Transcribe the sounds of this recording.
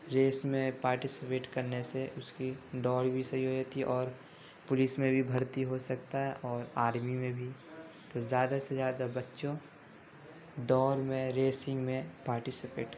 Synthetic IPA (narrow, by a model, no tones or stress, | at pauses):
ɾeːsmẽpaːɾʈɪsɪpeːʈkɐɾneseʔʊskid̪ɔːɽibʱisɐɦiɦod͡ʒɛt̪ʰiʔɔːɾ | pʊlɪsmẽbʱibʱɐɾt̪iɦosɐkt̪aɦɛʔɔːɾaːɾmimẽbʱi | t̪ozjaːd̪asezjaːd̪abɐtːʃõ | d̪ɔːɾmẽɾeːsɪ̃ŋɡmẽpaːɾʈɪsɪpeːʈ